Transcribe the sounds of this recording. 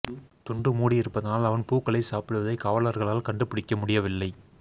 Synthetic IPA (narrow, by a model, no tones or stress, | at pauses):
t̪ʊɳɖɯmuːɽiɪɾɯpːɐðɐnaːlɐʋɐnpuːkːɐɭɐɪsaːpɪɽɯʋɐðɐɪkaːʋɐlɐɾɣɐɭaːlkɐɳɖɯpɪɽɪkːɐmʊɽɪjɐʋɪlːɐɪ